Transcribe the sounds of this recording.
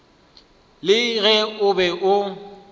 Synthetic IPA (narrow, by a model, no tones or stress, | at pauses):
lɪɣɛʊbɛʔʊ